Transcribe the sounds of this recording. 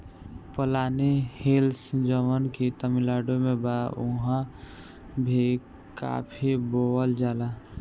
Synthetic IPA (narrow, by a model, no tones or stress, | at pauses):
pəlaːnehelsd͡ʒəmənkit̪əmilaːɖomẽbaʊɦã | bʱi | ka̰pʰiboəld͡ʒaːla